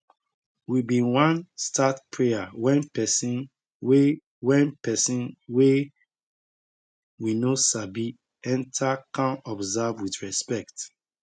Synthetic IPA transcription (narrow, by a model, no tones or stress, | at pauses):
wibiwãnstatpʰɹeawɛ̃npɛsĩn | we | wɛ̃npɛsĩnwe | winosabi | ɛ̃ntʰakʰãnɔbzavwiθɹɛspɛkt